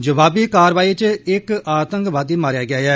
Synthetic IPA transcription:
d͡ʒəʋaːbiːkaːɾʋaːiːt͡ʃɪkaːt̪əŋkʋaːd̪iːmaːɾjaːɡɪjaːɛː

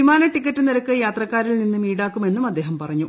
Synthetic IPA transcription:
imaːnɐʈikːɐʈːɨniɾɐkːɨjaːt̪rɐkːaːɾilninːɨmiːɽaːkːume̞nːumɐd̪ːe̞ːɦɐmpɐrɐɲːu

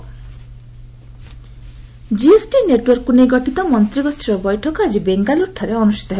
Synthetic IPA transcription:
d͡ʒiesʈineʈwɔɾkːunejɡɔʈit̪ɔmɔnt̪ɾibɔst̪ʰiɾɔbɔjʈʰɔkɔad͡ʒibeŋɡaluɾʈʰaɾeɔnusi̥t̪ɔɦeb

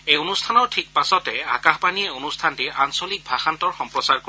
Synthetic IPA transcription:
ejonustʰanɔɹtʰik̚pasɔtɛakaxpaniɛonustʰantiʔansolik̚bʱaxantɔɹxɔmpɹɔsaɹko

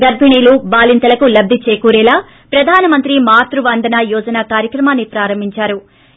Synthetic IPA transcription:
ɡɐɾbʱiɳiːlubaːlint̪ɐlɐkulɐbd̪ʱit͡ʃeːkuːɾɛːlaː | pɾɐd̪ʱaːnɐmɐnt̪ɾimaːt̪ɾuʋɐnd̪ʱɐnajɔːd͡ʒɐnakaːɾjɐkɾɐmaːnːipɾaːɾɐmbʱiɲt͡ʃaːɾu

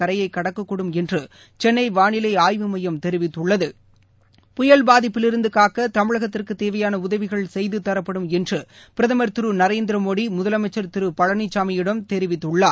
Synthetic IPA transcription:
ɐɾɐjɐɪkːɐɽɐkːɐkːɔɽɯmɛndrɯ | t͡ʃɛnːɐɪʋaːɳɪlɐɪaːjʋɯmɐjɐmt̪ɛɾɪʋɪt̪ːɯɭːɐðɯ | pʊjɐlbaːðɪpːɪlɪɾɯnd̪ɯkaːkːɐt̪ɐmɪɻɐɣɐt̪ːɪrkɯt̪eːʋɐjaːnɐʊðɐʋɪɣɐɭsɛjðɯt̪ːɐɾɐpːɐɽɯmɛndrɯpɪɾɐðɐmɐɾt̪ɪɾɯnɐɾeːnd̪ɪɾɐmoːɽimʊðɐlɐmɐɪt͡ʃːɐɾt̪ɪɾɯpɐɻɐnɪt͡ʃːaːmɐjɪɽɐmt̪ɛɾɪʋɪt̪ːɯɭːaː

